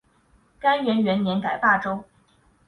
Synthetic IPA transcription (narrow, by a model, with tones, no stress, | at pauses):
ka˥nɥɛ˧˥nɥɛ˧˥nnjɛ˧˥nka˨˩ɪpa˥˩ʈ͡ʂo˥ʊ